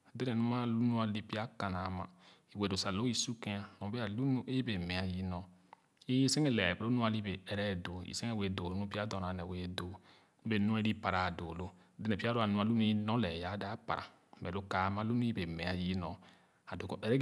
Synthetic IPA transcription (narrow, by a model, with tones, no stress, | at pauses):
de˦nɛ˨nũ˦ma˦lu˦nũ˦a˦li˦pi˦a˦ka˨na˨˦ma̰˨i˨we˨do˨sa˨lo˦i˦su˦kẽ˦a˦nɔ̃˨˦be˦a˨lu˦nu˦e˦be˨mɛ̃˨a˨ji˦nɔ̃˨ | i˦se˦ŋe˦˨lɛ˨be˨ɾo˦nũ˦a˦˨li˦be˨ɛ˨ɾɛ˦˨do˨ḭ˨se˦e˦˨we˨do˨lo˦nũ˦pi˦a˦dɔ˨na˨nɛ˨we˨do˨ | nũ˦be˨nũ˦ɛ˦ɾi˦pa˨ɾa˨do˨lo˦ | de˦nɛ˨pi˦a˦ɾo˦a˨nũ˦a˨lu˦nu˦i˦nɔ̃˦lɛ˨ja˨˦da˦pa̰˨ɾa̰˨ | mɛ˨lo˦ka˨˦mã˦lu˦nu˦i˦be˨mɛ˨a˨ji˦nɔ̃˨ | a˨do˨kɔ˨ɛ˨ɾɛ˦